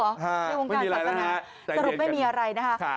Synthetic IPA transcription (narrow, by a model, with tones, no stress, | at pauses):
na˧jwoː˧ŋm˥˩a˧iː˧a˦˧a˧˥aː˧˦ | t͡ɕsa˧ɾu˨˩p̚ma˥˩jmiː˧ʔa˧ɾa˧jna˦˥kʰa˦˥k